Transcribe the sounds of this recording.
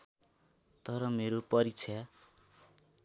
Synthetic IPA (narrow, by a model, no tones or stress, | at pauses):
t̪ʌɾʌmeɾopʌɾit͡sʰa